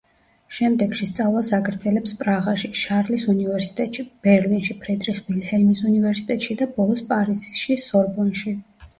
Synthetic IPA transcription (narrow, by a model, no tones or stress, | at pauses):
ʃɛmd̪ɛɡʃist̪sʼavlˠasaɡɾd̪zɛlɛpspʼɾaʁaʃiʃaɾlisunivɛɾsi̥t̪ʼɛt̪ʼʃib̥ɛɾlinʃipʰɾɛd̪ɾiχbilhɛmisunivɛɾsi̥t̪ʼɛt̪ʼʃid̪abɔlˠɔspʼaɾizʃisɔɾbɔnʃi